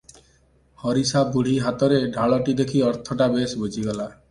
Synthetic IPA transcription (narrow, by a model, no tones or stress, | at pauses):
hɔɾisabuɽ̤iɦat̪ɔɾeɖʱaɭɔʈid̪ekʰiɔɾt̪ʰɔʈabesbod͡ʒʱiɡɔla